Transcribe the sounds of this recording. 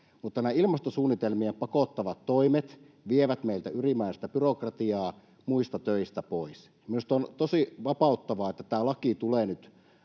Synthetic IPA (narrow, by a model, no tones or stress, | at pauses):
mut̪ːɑnæilmɑst̪osuːnːit̪elmiempɑkot̪ːɑʋɑt̪toimet̪ | ʋieʋæt̪meilt̪æyrimæˑisest̪æpyrokrɑt̪iɑː | muist̪ɑt̪øist̪æpois | minust̪ɑont̪osiʋɑpɑˑut̪ːɑʋɑet̪ːæt̪æːlɑkit̪uleːnyt̪